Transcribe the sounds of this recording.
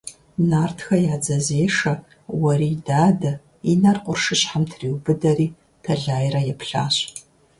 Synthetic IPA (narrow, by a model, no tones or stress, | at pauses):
naːrtʰxɐjaːd͡zɐzeːʂɐ | wɐɾiːdaːdɐ | inɐrqʷʊrʂɨɕħamtʰriːwbɨdɐriː | tʰɐɮaːjrɐjɛpʰɬa̰ːɕʼ